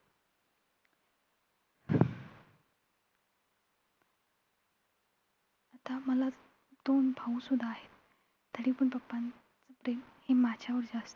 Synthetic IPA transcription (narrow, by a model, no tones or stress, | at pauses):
ət̪aməla | d̪onbʱãũsud̪ʱːaːɦet̪ː | əɽipəɳpəpːan | t͡səpɾemhemad͡ʑʱjaʋəɾd͡ʑaəst̪ə̥